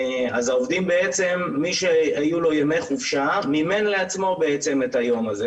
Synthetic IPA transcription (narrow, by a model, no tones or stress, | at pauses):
azaovd̪imbe̞et͡se̞mːiʃeajulo̞jemejχuvʃamime̞nle̞at͡smo̞be̞et͡se̞metajo̞maze̞